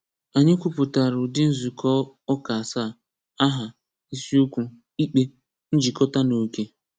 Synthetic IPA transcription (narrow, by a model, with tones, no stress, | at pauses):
a˨ɲɪ˦kʷu˦pʊ˨ta˨ɾʊ˨dɪ˦n̩˦zu˨kʰɔ˦ɔ˦ka˨sa˦˨ | a˦ɦa˨ | i˦si˦u˦kʷu˦ | i˦k͡pe˦ | n̩˦d͡ʒi˨kɔ˦ta˦no˨ke˦